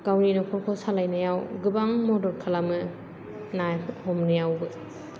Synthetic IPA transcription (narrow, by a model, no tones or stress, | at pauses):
ɡ̥awninɔkʰɔɾkʰɔsalajnɐjawɡɯbaŋmɔdɔɾkʰalamɯ | najhɔmnɯjawbɯ